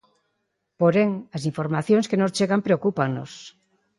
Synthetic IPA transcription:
poɾeŋasiɱfoɾmaθjõŋskenost͡ʃeɣampɾeokupaŋnos

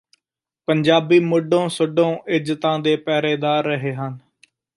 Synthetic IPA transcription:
pəɲd͡ʒaːbiːmʊɖõːsʊɖõːʔɪd͡ʒt̪ãːd̪eːpɛːɾeːd̪aːɾːəɦeːɦən

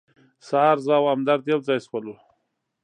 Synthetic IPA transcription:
sɑːɾzawamd̪aɾd̪elzɑjswalu

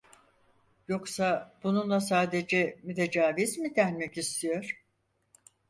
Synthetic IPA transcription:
jo̞ksab̥ununlˠas̬aːd̪e̞d͡ʒɛmyt̪ʰe̞d͡ʒaːvizmid̪ænmɛcist̪ʰijo̞ɾ̥

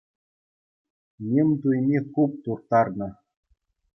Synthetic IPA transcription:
nʲemʲt̪̬ujmʲekup̚t̪urt̪ɑrnɤ̆

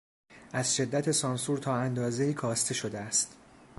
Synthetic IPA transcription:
ʔæzʃe̞d̪ːæt̪ʰe̞sɒnsuɾt̪ʰɒːænd̪ɒːze̞iːkʰɒːst̪ʰe̞ʃo̞d̪eæst̪

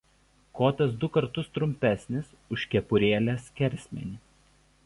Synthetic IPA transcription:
koːt̪ɐs̬d̪ʊkɐɾt̪ʊst̪ɾʊmʲpʲæˑsʲnʲɪs | ʊʃʲkʲɛpʊɾʲeːlʲæːskʲɛɾʲsʲmʲɛ̰nʲiː

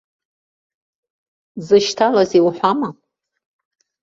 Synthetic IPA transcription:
zɨʃtʰalaziwħʷama

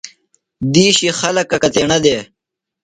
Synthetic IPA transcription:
d̪iːɕixɐlɐkːɐkɐt̪eːɳɐd̪eː

